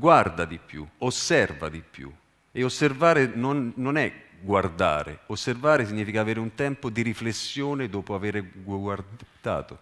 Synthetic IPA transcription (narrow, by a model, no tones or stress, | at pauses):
ɡward̪ad̪ipjṵosːɛrva̰d̪ipːjṵ | ɪosːervaːɾɪnonːonɛ | ɡward̪a̰ːɾɪ̰osːervaːɾɪsiɲːiːfikaːveːɾɪunt̪ɛmpod̪iɾiflesːjoːnɪd̪ɔːpoaveːɾɪɡɡward̪̥a̰ːt̪o